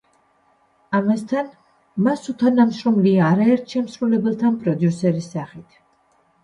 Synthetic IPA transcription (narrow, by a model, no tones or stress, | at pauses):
amast̪ʰan | masut̪ʰanamʃɾɔmliaːɾaɛɾt̪ʰʃɛmsɾulɛbɛlˠt̪ʰanpʼɾɔd̪jusɛɾisːaχit̪ʰ